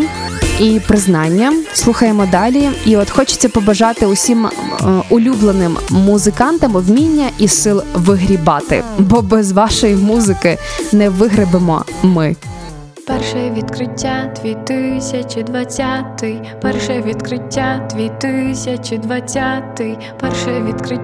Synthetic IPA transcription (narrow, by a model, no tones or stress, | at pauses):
ipɾɪznɑnʲːɐslˠuxɐjemɔd̪ɑlʲiiɔt̪xɔt͡ʃɪ̥t͡sʲːɐpɔbɐʒɑt̪ɪʊsʲimʊlʲublˠenɪmːʊzɪkɑnt̪ɐmɔwmʲinʲːɐʔisɪlˠʋɪɦɾʲibɑt̪ɪ̰bɔbɛzʋɑʃɔjimuzɪkɪnɛʋɪɦɾɪbemɔ̰mɪ | pɛrʃɐjɛʋʲid̪kɾɪtʲːad̪̥ʲʋʲit̪ɪsʲɐt͡ʃɪd̪ʋɐt͡sʲːat̪ɪj | pɛrʃɛʋʲid̪kɾɪtʲːad̪̥ʲʋʲit̪ɪsʲɐt͡ʃɪd̪ʋɐt͡sʲat̪ɪj | pɛrʃɛjɛʋʲid̪kɾɪ